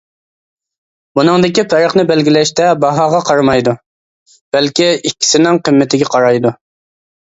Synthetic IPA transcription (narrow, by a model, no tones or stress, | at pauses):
bunɨŋd̪ɪkʲipʰɛɾəχnɪbɛlɡʲilɛʃt̪ɛbɑɦɑːʁɑqʰɑɾmɑjd̪u | b̥ɛlkʲiikʲːi̥sɪnɪŋqʰəmːɪt̪ʰɪɡʲɛqʰɑɾɑjd̪u